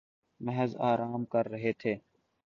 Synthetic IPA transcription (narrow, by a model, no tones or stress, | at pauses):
məɦəzaːɾaːmkəɾːəɦeːt̪ʰeː